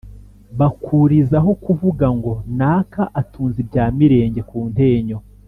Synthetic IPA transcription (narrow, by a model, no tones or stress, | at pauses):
βakʰuɾizaɦo̞kuvuɡaŋɡo̞naːkaʔatʰuːnzibɟaːmiɾe̞ːɲɟe̞kuːnte̞ːɲo̞